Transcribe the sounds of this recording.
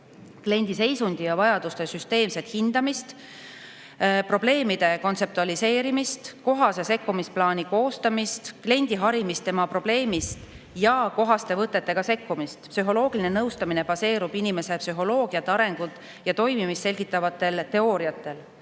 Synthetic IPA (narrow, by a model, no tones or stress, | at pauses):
kle̞nʲd̪̥ise̞jsund̪̥ijɑvɑjɑd̪̥ust̪e̞syst̪e̞ːmse̞t̪hind̪̥ɑmist̪ | pro̞b̥le̞ːmid̪̥e̞ko̞nt̪se̞p̚t̪uɑlise̞ːɾimist̪ko̞ɦɑse̞se̞kːumisplɑːniko̞ːst̪ɑmist̪kle̞nʲd̪̥iɦɑɾimist̪ːe̞mɑpro̞b̥le̞ːmist̪ | jɑko̞ɦɑst̪e̞vɤt̪ˑːe̞t̪ːe̞ɡ̥ɑse̞kːumist̪psyɦo̞lo̞ːɡilinenɤwst̪ɑmine̞b̥ɑse̞ːɾub̥inime̞se̞psyɦo̞lo̞ːɡ̥iɑt̪ːeɑɾe̞ŋɡ̥ut̪ˑ | jɑt̪o̞jmimist̪se̞lʲɡ̥it̪ːˑɑvɑt̪ːˑe̞lt̪e̞o̞ːɾiɑt̪ːˑe̞l